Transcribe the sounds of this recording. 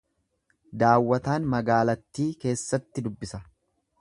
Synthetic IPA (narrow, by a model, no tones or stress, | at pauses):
d̪aːwːɐt̪aːnmɐɡaːlɐt̪ːiːke̞ːsːɐt̪ːɪd̪ʊbːɪsɐ